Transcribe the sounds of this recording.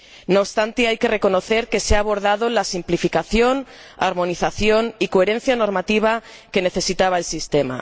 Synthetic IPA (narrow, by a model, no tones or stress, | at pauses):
noβst̪ant̪iajke̞re̞ko̞no̞θe̞ɾke̞seaːβ̞o̞ɾð̞aðolasimplifikaθjo̞naɾmõ̞niθaθjo̞nikoeɾẽ̞n̟θjano̞ɾmat̪iβ̞ake̞ne̞θe̞sit̪aβ̞aelsist̪ema̰